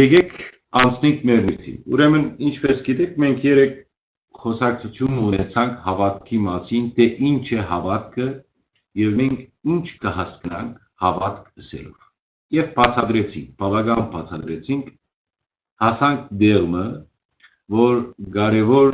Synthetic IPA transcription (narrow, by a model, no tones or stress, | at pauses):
jɛkɛkʰ | ɑnt͡sʰnɛŋkʰmɛɾnut̪ʰḭnṵɾɛmənint͡ʃʰpɛsɡit̪ɛkʰmɛŋkʰjɛɾɛk̚ʰ | χɔsɑk̚t͡sʰut͡sʰjununɛt͡sʰɑŋkʰhɑvɑt̪kʰimɑsint̪ʰɛʔint͡ʃʰɛɦɑvɑt̪kʰə | jɛvmɛŋkʰint͡ʃʰkəɦɑskənɑŋkʰ | hɑvɑt̪kəsɛ̰lɔ̰v | jɛvbɑt͡sʰɑd̪ɾɛt͡sʰḭŋk̚ʰbɑvɑɡɑmbɑt͡sʰɑd̪ɾɛt͡sʰiŋkʰ | hɑsɑŋk̚ʰd̪ɛʁmə | vɔɾɡɑɾɛvɔɾ